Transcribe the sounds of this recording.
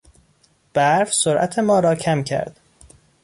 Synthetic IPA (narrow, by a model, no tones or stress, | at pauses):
b̥æɾfsoɾʔæ̰t̪ʰe̞mɒːɾɒːcʰæmcʰæ̰ɾd̪̥